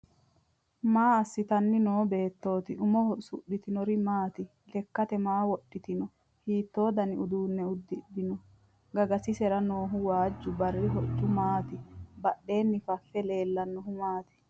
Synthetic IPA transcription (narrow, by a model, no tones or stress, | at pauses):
maːɐsːɪt̪ɐnːɪnoːbe̞ːt̪ːo̞ːt̪ɪʊmɔhɔsʊɗːɪt̪ɪnɔɾɪmaːt̪ɪ | lɛkːɐt̪ɛmaːwɔɗːɪt̪ɪnɔ | hiːt̪ːo̞ːd̪ɐnɪʊd̪uːnːɛʊd̪ːɪɗ̪ɪnɔ | ɡɐɡɐsɪsɛɾɐno̞ːɦʊwaːd͡ʒːʊbɐrːɪɦɔt͡ʃːʊmaːt̪ɪbɐɗːe̞ːnːɪfɐfːɛle̞ːlːɐnːɔɦʊmaːt̪ɪ̥